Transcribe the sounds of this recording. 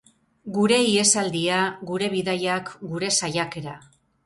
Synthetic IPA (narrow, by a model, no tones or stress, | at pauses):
ɡuɾe̞ie̞sald̪iaɡuɾe̞βiðajakɡuɾe̞sajake̞ɾa